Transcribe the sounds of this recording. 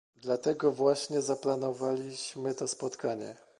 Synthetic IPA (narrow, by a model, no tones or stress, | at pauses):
d̪lat̪ɛɡɔvwaɕɲɛzaplanɔvalʲiɕmɘt̪ɔspɔt̪kʰaɲɛ̰